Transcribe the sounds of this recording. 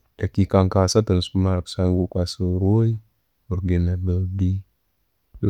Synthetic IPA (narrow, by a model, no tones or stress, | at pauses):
d̥akikaŋkasatənsumaɾksanɡukʷasəɾoi | wuɾɡenabəldi